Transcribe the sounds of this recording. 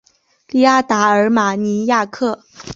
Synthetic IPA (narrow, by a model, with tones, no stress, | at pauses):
li˥˧a˥˩t̪a˧˥ə˞˧˥ma˨˩ni˧˥ja˥˧kʰɤ˥˩